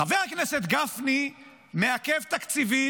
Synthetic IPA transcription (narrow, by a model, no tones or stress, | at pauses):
avehakneset̪ɡafni | meakevt̪akt͡sivi